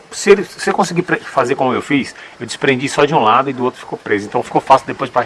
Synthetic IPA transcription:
sɪelɪsɪewkõsiɡipɾefazeɾkõmʊewfisewd͡ʒɪ̥spɾẽnd͡ʒisɔd͡ʒiũlad̪ʊid̪ʊowt̪ɾʊfi̥kopɾezʊẽt̪ɐ̃w̃fi̥kowfasild̪epojzd͡ʒɪpa

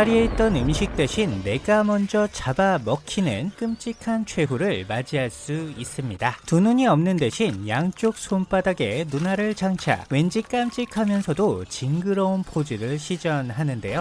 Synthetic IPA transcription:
aɾie̞it̚t͈ʌnɯmɕʰik̚t͈e̞ɕʰinːe̞ɡamʌnd͡ʑʌt͡ɕabamʌkʰinɯnk͈ɯmt͡ɕ͈ikʰant͡ɕʰwe̞ɦuɾɯɭmad͡ʑiɦaɭs͈uis͈ɯmɲidatunuɲiʌmnɯnde̞ɕʰinjaŋt͡ɕ͈ok̚sʰomp͈adaɡe̞nunaɾɯɭt͡ɕaŋt͡ɕʰa̰we̞nd͡ʑik͈amt͡ɕ͈ikʰamjʌnsʰʌdot͡ɕiŋɡɯɾʌunpʰod͡ʑiɾɯɭɕʰid͡ʑʌnɦanɯnde̞jo

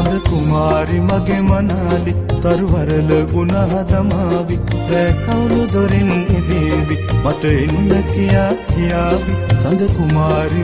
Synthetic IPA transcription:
ɐnd̪əkumaːɾimɐɡemɐnaːli | t̪ɐɾʋɐɾɐləɡunad̪ɐmaʋiɾeːkɐwlud̪ɐɾinid̪iʋimɐʈəinːɐkijaːkijaːʋit͡ʃɐnd̪ʱəkumaːɾi

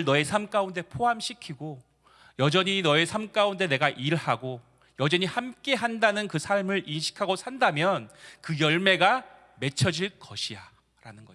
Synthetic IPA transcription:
ɭnʌe̞sʰamk͈aunde̞pʰoɦamɕʰikʰiɡo | jʌd͡ʑʌɲinʌe̞sʰamk͈aunde̞ne̞ɡaʔiɭhaɡo | jʌd͡ʑʌɲihamk͈e̞ɦandanɯnkɯsʰaɭmɯɾinɕʰi̥kʰaɡosʰandamjʌnkɯjʌɭme̞ɡa | me̞t͡ɕʰʌd͡ʑiɭk͈ʌɕʰija | ɾa̰nɯnɡʌ

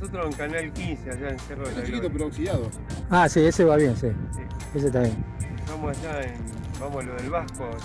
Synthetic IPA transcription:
sot̪ɾoseŋkanalkinseaʒaẽnsjerosũsikit̪opeɾoawksiðaðo | asieseβaβjensisies̬et̪aβjẽnet̪amosaʒaenbamosaloðelβahko

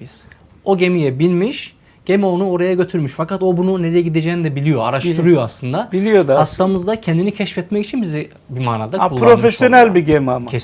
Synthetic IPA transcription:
biz̥ | o̞ɟe̞mijɛbilʲmiʃ | ɟ̥e̞mɛo̞nuo̞ɾajaɟø̞t̪ʰyɾmyʃfakat̪o̞bununeɾejɛɟid̪ed͡ʒɛnid̪ɛbilʲijo̞a̰ɾaʃt̪ɯɾujoaslˠɯnd̪abilʲijod̪ahast̪ʰamɯzd̪acʰɛnd̪inicʰɛʃfɛt̪mɛci̥t͡ʃʰinbizi | bimaːna̰ːd̪akulːˠpaɾofesʃsjo̞nælʲbiɟemama

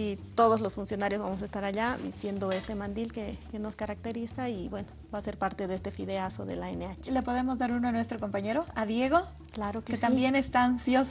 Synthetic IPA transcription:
it̪o̞ðozlo̞sfunsjo̞naɾjo̞zβamos̬aest̪aɾaʎaðḭst̪je̞nd̪oe̞st̪emãnd̪ilkekeno̞skaɾak̚t̪e̞ɾisaiβwe̞nobaːse̞ɾpaɾt̪eðest̪e̞fiðeasoðḛlaeneat͡ʃele̞po̞ðe̞mo̞zðaɾunoanwe̞st̪ɾoko̞mpaɲeɾoaðje̞ɣo̞ | klaɾokket̪ammbje̞nest̪aansjos

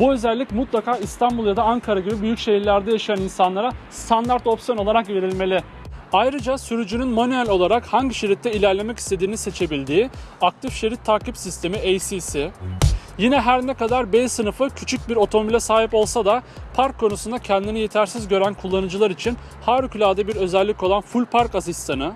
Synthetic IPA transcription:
buø̞zælʲːicmut̪lˠakʰaːist̪ʰanbulˠjad̪aːŋkʰaɾaɟibibyjycʃe̞jiɾlʲæɾd̪ɛjaʃajaninsanlˠaɾast̪ʰand̪aɾt̪o̞psijo̞no̞lˠaɾakve̞ɾilʲme̞lʲɪ | ajɾɯd͡ʒasyɾyd͡ʒynynmonalʲo̞lˠaɾakhaɲɟiʃe̞ɾit̪ːɛilʲæɾlʲe̞mɛci̥st̪ʰe̞d̪iːnise̞t͡ʃʰe̞bilʲd̪iːak̚t̪ʰifʃe̞ɾit̪ʰːaːkipsist̪ʰe̞miejsilʲsɪ | jinɛɦæɾnɛkad̪aɾbejsɯnɯfɯcʰyt͡ʃʰyc̚biɾo̞t̪ʰo̞momilʲɛsaːɦipo̞lˠsad̪apʰaɾkʰːo̞nusund̪acʰɛnd̪inije̞t̪ʰæɾsizɟø̞ɾænkʰulˠːanɯd͡ʒɯlˠaɾit͡ʃʰin | haːɾycʰylʲaːd̪abiɾø̞zɛlʲːico̞lˠanfulʲpʰaɾkasist̪ʰanɯ

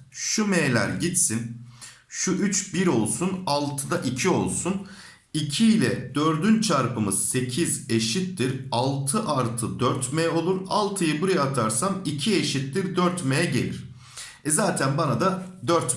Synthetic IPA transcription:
ʃumeːlʲæ̰ɾɟit̪sin | ʃuʔyt͡ʃbiɾo̞lˠsunalˠt̪ʰɯd̪aʔicʰio̞lˠsun | icʰiːlʲɛd̪̥ø̞ɾd̪ynt͡ʃʰaɾpɯmɯz̥se̞cʰize̞ʃit̪ːiɾalˠt̪ʰɯʔaɾt̪ʰɯd̪øɾt̪mejo̞lˠuɾalˠt̪ʰɯjɯbuɾajaat̪ʰaɾsamicʰie̞ʃit̪ːiɾd̪øɾt̪mejɛɟe̞̰lʲiɾ̥ | ɛzaːt̪ʰænbanad̪ad̪øɾt̪

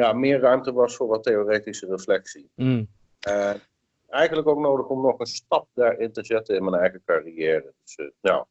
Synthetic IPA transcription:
jamɪːɹrœɥmtəʋɑsfʊːɹʋɑteoːreːtisərəflɛksi | ə | ɛjɣənləkowk̚nowdəxɔmnɔχənstɑp̚daːɹɪntəzɛtənɪnmɛnɛjɣəkariɛːrədəsja̰

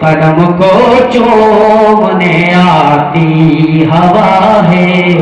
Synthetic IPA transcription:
pɐɖɐmkot͡ʃo | mɐne | aːɾt̪iɦɐʋaɦe

